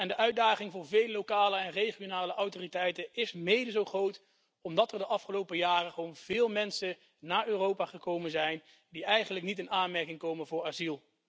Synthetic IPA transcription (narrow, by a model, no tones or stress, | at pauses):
ɛndəʔœɥd̚daːχɪŋvʊːɹvejləlːokaːləɛnrejχionaːləʔɑwtoːritɛjtənɪsmejdəzowχrowt | ɔmdɑtəɹdəʔɑfχəlowpəjaːrəχəʋownv̥ɪːlˠmɛnsə | naːɹøːrowpaːχəkowmənzɛjn | diɛjχənləknitɪnaːnmɛɹkɪŋkowmənvʊːɹaːzilˠ